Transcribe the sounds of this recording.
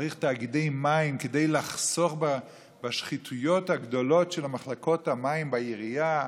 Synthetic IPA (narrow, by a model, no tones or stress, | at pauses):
ʁiχtaːɡidejmaimkedejlaχso̞χba | baʃχitʰujo̞thaɡdo̞lo̞tʃelamaχlako̞thamaimbaiʁija